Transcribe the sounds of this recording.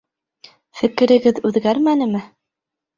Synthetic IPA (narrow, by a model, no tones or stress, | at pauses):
fɘ̆kɘ̆ɾɘ̆ɡɘðʉðɡæɾmænɘ̆mɘ